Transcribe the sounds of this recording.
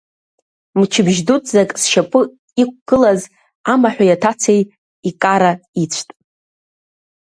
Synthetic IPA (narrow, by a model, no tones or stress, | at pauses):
mt͡ʃʰɪbʒdutʼzakʼsʃapʼɨ | ik̚ʷʰʼɡ̥ɨlaz | amaħʷᶣajatʰat͡sʰej | ikʼaɾait͡ɕʷʰtʼ